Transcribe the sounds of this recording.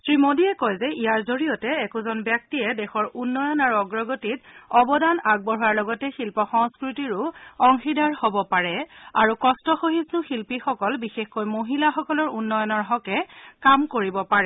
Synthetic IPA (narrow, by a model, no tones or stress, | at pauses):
tɹimodiɛkɔjzɛijaɹzoɹijɔtɛːkʊzɔnbjak̚tiɛdɛxɔɹunːɔjɔnaɹuɔɡɹɔɡotitɔbɔdanaɡ̚bɔɹuaɹlɔɡɔtɛxilpɔxɔŋskɹutiɹʊɔŋxidaɹhobɔpaɹɛaɹukɔstɔxoɦisnʊxilpixɔkɔlbixexkojmoɦilaxɔkɔlɔɹunːɔjɔnɔɹɦɔkɛkamkoɹibɔpaɹɛ